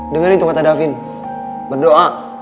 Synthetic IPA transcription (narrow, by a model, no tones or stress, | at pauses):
dəŋanit̪ukat̪adafin | bərdoʔa